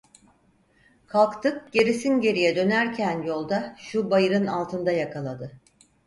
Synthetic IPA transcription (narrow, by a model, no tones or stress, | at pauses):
kʰalˠkt̪ʰɯk̚ɟ̥e̞ɾisinɟe̞ɾijɛd̪ø̞næɾcʰænjo̞lˠd̪aʃubajɯɾɯnalˠt̪ʰɯnd̪ajakʰalˠad̪ɯ